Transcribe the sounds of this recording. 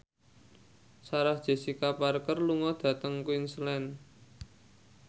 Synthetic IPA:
saɾahd̥ʒ̥e̤sikaparkərluŋɔd̪̥ä̤t̪əŋkuinslɛn

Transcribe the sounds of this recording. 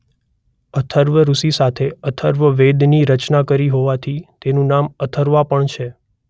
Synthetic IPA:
ət̪ʰəɾʋəɾusisat̪ʰeət̪ʰəɾʋəʋed̪niɾət͡ʃnakəɾiɦoʋat̪ʰit̪enũnamət̪ʰəɾʋapəɳt͡ʃʰe

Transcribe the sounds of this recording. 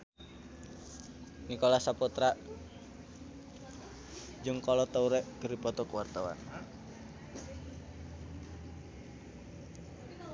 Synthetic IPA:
nikɔlasaput̪ɾaʔ | d͡ʒɨŋkɔlɔt̪auɾɛʔkəɾipɔt̪ɔkwart̪awa̰n

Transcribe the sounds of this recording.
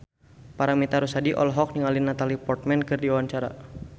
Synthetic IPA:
paɾamit̪aɾusadiʔɔ̰lɦɔk̚niŋalinat̪alipɔrt̪̚mɛnkɨrdiawaɲt͡ʃaɾa̰

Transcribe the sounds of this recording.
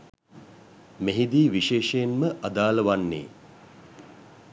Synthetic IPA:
meɦid̪iːʋiʃeːʃəjenməʔad̪aːləʋanːḛː

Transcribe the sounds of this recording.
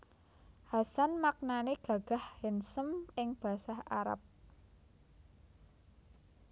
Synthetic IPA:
hasanmak̚naneɡ̥a̤ɡ̥a̤hhɛnsəmɪŋb̥ä̤saha̰ɾa̰p̚

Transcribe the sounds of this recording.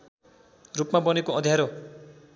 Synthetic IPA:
rupmabʌnekoʌd̪ʱjaɾo

